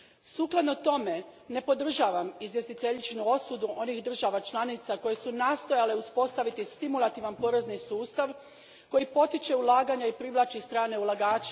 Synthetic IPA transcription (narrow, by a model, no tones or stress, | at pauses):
suːklˠad̪no̞t̪o̞me̞ | ne̞po̞d̪r̩ʒaːʋamizʋje̞st̪it̪e̞ʎit͡ʃnuo̞sud̪uʔo̞nixd̪r̩ʒaʋat͡ʃlˠanit̪sako̞je̞sunaːst̪ojale̞uspo̞st̪aʋit̪ist̪imulˠat̪iʋanpo̞ɾe̞znisuːst̪aʋ | ko̞jipo̞t̪it͡ʃe̞ulˠaːɡaɲaipɾiʋlˠat͡ʃist̪ɾaːne̞ulaɡaːt͡ʃe̥